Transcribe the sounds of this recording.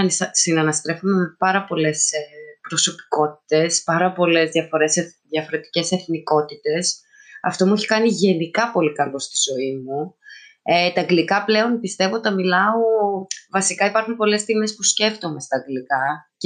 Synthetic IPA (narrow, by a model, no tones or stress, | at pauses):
ɐnssinɐnɐst̪ɾe̞fome̞me̞pɐɾɐpo̞le̞spɾo̞so̞pi̥ko̞t̪i̥t̪e̞spɐɾɐpo̞le̞zðjɐfo̞ɾe̞seðjɐfo̞ɾe̞t̪i̥ce̞se̞θniko̞t̪it̪e̞s | ɐ̰ft̪o̞mueçi̥kɐniʝe̞nikɐpo̞likɐlo̞st̪i̥zo̞imu | et̪ɐŋɡlikɐple̞o̞npist̪e̞vo̞t̪ɐmilɐo̞vɐsikɐipɐɾxunpo̞le̞st̪imespusce̞ft̪o̞me̞st̪ɐːɡlikɐ